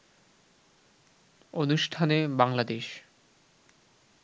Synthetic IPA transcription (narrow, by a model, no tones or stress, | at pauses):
onuʃʈʰanebaŋlad̪eʃ